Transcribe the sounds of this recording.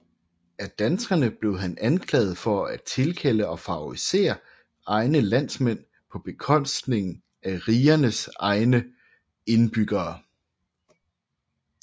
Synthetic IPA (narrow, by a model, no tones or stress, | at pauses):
æd̥ænsɡ̥ɐnəb̥le̝ʊɦænænkʰlɛ̰ːð̞̩ˠfɒ̽æ̥t͡sʰe̝lkʰel̰əɒ̽fɑ̈oʁise̝̰ːɐ | ɑ̈ɪnəlæn̰smen̰ | pʰɒ̽b̥e̝kʰɒ̽n̰sd̥ne̝ŋn̩ | æʁiːɐnəsɑ̈ɪnə | e̝nb̥yɡ̥ɐː